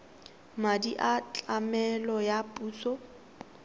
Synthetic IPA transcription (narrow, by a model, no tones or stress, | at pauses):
madiʔat͡ɬʼamɛlɔjapʼuːsɔ